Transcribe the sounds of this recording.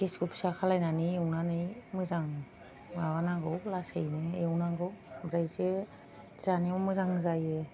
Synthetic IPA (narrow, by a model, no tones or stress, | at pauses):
ɡeskɔpʰsakʰalajnanɯewnanɯjmɯzaŋ | awanaŋɡɯwlasejnɯewnaɡɯwbɾajze | z̥animɔmɯzaŋzajɯ